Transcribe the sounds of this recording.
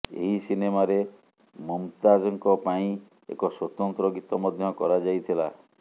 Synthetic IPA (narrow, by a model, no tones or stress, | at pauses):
ḛɦisinemaɾe | mɔmt̪ad͡ʒɔŋkɔpaĩ | ḛkɔswɔt̪ɔnt̪ɾɔɡit̪ɔmɔd̪ʱjɔkɔɾad͡ʒajt̪ʰila